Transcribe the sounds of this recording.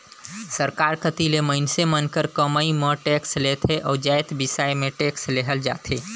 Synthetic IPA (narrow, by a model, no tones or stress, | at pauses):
səɾkaɾkət̪ileməɪnsemənkəɾkəməiməʈekslet̪ʰeʔɔːd͡ʒajt̪bɪsajmẽʈeksleɦəld͡ʒa̰t̪ʰe